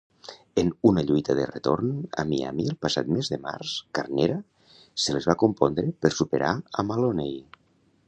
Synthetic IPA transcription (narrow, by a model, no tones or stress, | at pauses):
enunaʎujt̪aðə̰ret̪o̰ɾna̰mia̰mielˠpasa̰t̪mezðəma̰ɾskaɾneɾa | səlezβakumpɔnd̪ɾepəɾsupeɾaəmalonej